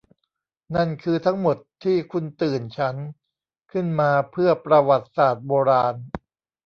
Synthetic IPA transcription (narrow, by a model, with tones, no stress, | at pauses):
na˥˩nkʰɯː˧t̪ʰa˦˥ŋmo˨˩t̪ʰːiː˥˩kʰu˧nt̪ɯː˨˩nt͡ɕʰa˦˥n | kʰɯ˥˩nmaː˧pʰɯ˥˩ɐpɾa˧wa˨˩t̪̚saː˨˩t̪̚boː˧ɾaː˧n